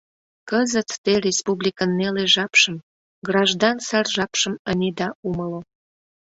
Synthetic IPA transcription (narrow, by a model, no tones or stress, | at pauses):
kəzət̪ːerʲespublʲikənːeleʒɑpʃəm | ɡrɑʒd̪ɑnsɑrʒɑpʃəmənʲed̪ɑuməlo